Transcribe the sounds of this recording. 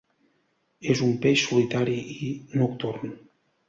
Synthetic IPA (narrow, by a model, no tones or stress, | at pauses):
ezumpeʃsulit̪aɾiinukt̪urn